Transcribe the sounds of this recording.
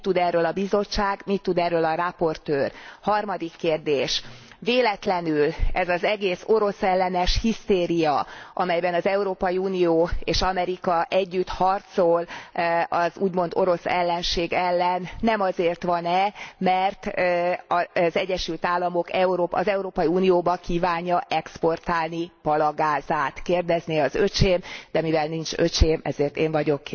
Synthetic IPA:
t̪ːud̪ɛrːøːlɒbizo̞t͡ʃt͡ʃːaːɡmit̪ːud̪ɛrːøːlɒrapo̞rt̪øːrhɒrmɒd̪ikːeːrd̪eːʃ | veːlɛt̪lɛnylɛzɒzɛɡeːso̞ɾo̞sɛlːɛnɛʃhist̪eːɾijɒʔɒmɛjbɛnɒzɛuɾoːpɒjiuːnijoːeːʃɒmɛɾikɒʔɛɟːyt̪hɒrt̪so̞l | ɒzuːɟmo̞nd̪o̞ɾo̞sɛlːɛnʃeːɡɛlːɛnːɛmɒzeːrt̪ʋɒnɛmɛrt̪ɒzɛɟːɛʃylt̪aːlːɒmo̞kɛuɾoːpɒ̰zɛuɾoːpɒjiuːnijoːbɒkiːvaːɲːɒʔɛkspo̞rt̪aːlnipɒlɒɡaːzaːt̪keːrd̪ɛzniɒzøt͡ʃeːmd̪̥ɛmivɛlnint͡ʃøt͡ʃeːmɛzeːrt̪eːɱvɒɟo̞k

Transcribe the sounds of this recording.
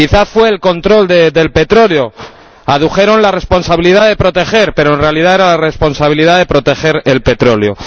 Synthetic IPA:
iθasfwe̞ːlko̞nt̪ɾo̞ld̪ed̪e̞lpe̞t̪ɾo̞leo̞ | aðuxe̞ɾo̞nlare̞spo̞nsaβiliðaðe̞pɾo̞t̪e̞xe̞ɾpe̞ɾoenre̞alið̞ae̞ɾalare̞spo̞nsaβ̞iliðaðe̞pɾo̞t̪e̞xe̞ɾe̞lpe̞t̪ɾo̞leo̞̰

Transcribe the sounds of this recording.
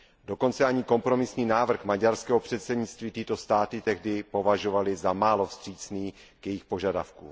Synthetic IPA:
do̞ko̞nt͡sɛaɲɪko̞mpɾo̞mɪsɲiːnaːvr̩xmaɟaɾskɛːɦo̞pr̥ɛt̪sɛdɲɪt͡st̪viːt̪ɪt̪o̞st̪aːt̪ɪt̪ɛɣdɪpo̞vaʒo̞valɪzamaːlo̞fst̪r̝̥iːt͡sniː | kjɛjɪxpo̞ʒadafkṵ

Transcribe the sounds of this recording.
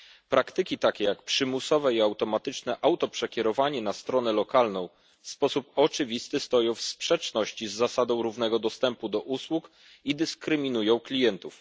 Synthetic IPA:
pɾʔakt̪ɘkʲit̪akʲɛjakpʂɘmusɔvɛiawt̪ɔmat̪ɘt͡ʂnɛʔawt̪ɔpʂɛkʲɛɾɔvaɲɛnast̪ɾɔn̪ɛlɔkalnɔ̃w̃ | fspɔsupɔt͡ʂɘvʲist̪ɘst̪ɔjɔ̃w̃fspʂɛt͡ʂnɔɕt͡ɕizːasad̪ɔ̃w̃ɾuvnɛɡɔd̪ɔst̪ɛmpud̪ɔʔuswuk | id̪ɘskɾɘmʲinujɔ̃w̃klʲijɛnt̪uf

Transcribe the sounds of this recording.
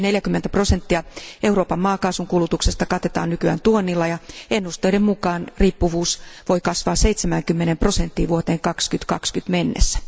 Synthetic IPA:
neljækymːent̪æpro̞sent̪ːiɑʔeuroːpɑmmɑːkɑːsuŋkulut̪uksest̪ɑkɑt̪et̪ɑ̰ːnnykyæ̰ːnt̪uonːilːɑjɑenːust̪eidemmukɑːnriːpːuʋuːsʋoikɑsʋɑːseit̪semæŋkymːenempro̞sent̪ːiːʋuot̪eːŋkɑkskyt̪kɑ̰kskyt̪menːḛsːæ̥

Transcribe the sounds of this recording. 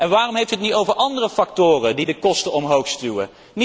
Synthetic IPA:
ɛnʋaːrɔmɦejftyɦətnitowvəɹʔɑndərəfɑktʊːrədidəkɔstəɔmɦowxstywə̰ | n

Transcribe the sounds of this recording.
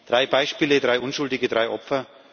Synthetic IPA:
d̥ʁaɪbaɪʃpiːlədʁaɪʔʊnʃʊldɪɡədʁaɪʔɔpfɐ

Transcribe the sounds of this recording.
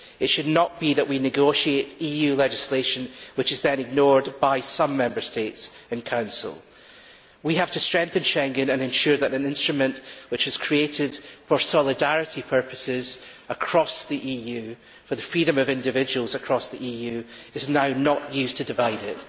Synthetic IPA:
ɪtʃɨdⁿnəʔb̥iðəʔwinɪɡoʃieʔijʉlˠɛd͡ʒɪslˠeʃə̃nwɪt͡ʃɨzðə̃nɪɡ̚nɔɹdbaɪsʌ̃mːɛ̃mbə˞stetsɨ̃nkʰãʊ̃nsə̰l̩ˠ | wiəftʰəstɹ̥ɛ̃ŋk̚θɨ̃nʃɛ̃ŋɡɨ̃nə̃nɨ̃nʃʉɹðəʔɨ̃nɪ̃nstɹ̥əmə̃nʔwɪt͡ʃɪz̥kʰɹ̥ieʔɪd̥fə˞sɔlˠɪdaɹɪʔipʰɜ˞pəsɪz̥ | əkʰɹ̥ɔsðiʔiːjʉ | fə˞ðəfɹiɾə̃məvɪ̃ndɨvɪd͡ʒəwəlˠzəkʰɹ̥ɔsðiʔijʉɪznaʊnəʔjʉztʰɨdɪvaɪdɪʔ

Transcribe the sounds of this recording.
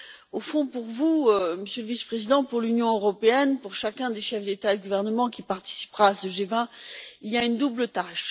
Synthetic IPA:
ofɔ̃puʁvuøməsjøləvispχezid̪ɑ̃puʁlynjɔ̃øʁɔpeɛnpuʁʃakʲɛ̃d̪eʃɛfd̪et̪ad̪əɡuvɛʁnəmɑ̃kʲipaʁt̪i̥si̥pʁaːsəʒevɛ̃iljaynd̪ublət̪aʃ

